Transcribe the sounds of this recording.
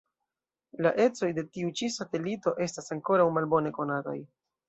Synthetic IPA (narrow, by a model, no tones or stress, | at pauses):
laʔe̞t͡so̞jde̞tiut͡ʃisate̞lito̞ʔe̞stasaŋko̞ɾawmalbo̞ne̞ko̞nata̰j